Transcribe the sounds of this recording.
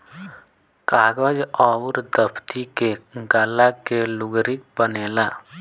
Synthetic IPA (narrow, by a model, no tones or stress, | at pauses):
kaːɡəd͡ʒɔːɾd̪əpʰt̪ikeɡaːlakelʊɡɾɪk̚bəneːlaː